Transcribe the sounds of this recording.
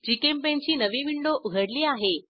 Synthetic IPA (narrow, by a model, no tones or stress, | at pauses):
d͡ʑiːkempɛ̃ɦɲd͡ʑiːnɐʋiʋɪ̃ɳɖoʔʊɡʱəɽliaːɦe